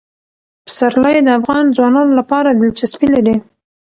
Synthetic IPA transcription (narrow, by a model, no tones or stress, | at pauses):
pə̥saɾlajd̪əafɣɑnd͡zwɑnɑnolapɑɾad̪ɪlt͡ʃaspilaɾi